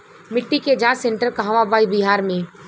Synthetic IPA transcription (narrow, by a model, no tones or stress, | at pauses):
mɪʈːiked͡ʒãːsẽɳʈəɾkaɦaʋabaːibɪɦaːɾmẽ